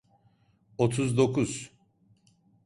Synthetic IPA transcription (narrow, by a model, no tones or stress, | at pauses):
ot̪ʰuzd̪o̞kʰuz̥